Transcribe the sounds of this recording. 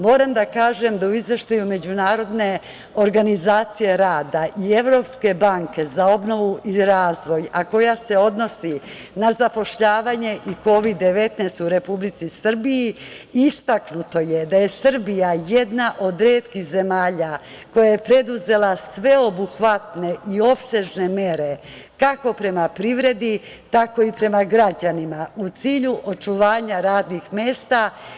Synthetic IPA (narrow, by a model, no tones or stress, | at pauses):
mo̞ːɾamd̪akaːʒemd̪auizʋe̞ʃt̪ajume̞d͡ʑunaːɾo̞d̪ne̞ | o̞ɾɡanizaːt̪sije̞ɾaːd̪aʔie̞ʋɾo̞ːpske̞baŋke̞zao̞bno̞ʋuʔiɾaːzʋo̞jako̞jase̞o̞d̪no̞si | nazapo̞ʃʎaːʋaɲe̞ʔiko̞ʋid̪ːe̞ʋe̞t̪nest̪uɾe̞publit̪sisr̩biji | ist̪aknut̪o̞jed̪aje̞sr̩bijaje̞d̪naʔo̞d̪ɾeːt̪kixze̞maːʎa | ko̞jaje̞pɾe̞d̪uze̞lasʋe̞o̞buxʋat̪ne̞ʔio̞pse̞ʒne̞me̞ɾe̞kako̞pɾe̞mapɾiʋɾe̞d̪i | t̪ako̞ipɾe̞maɡɾad͡ʑanimaut̪siːʎuʔo̞t͡ʃuʋaːɲaɾaːd̪nixmje̞ːst̪a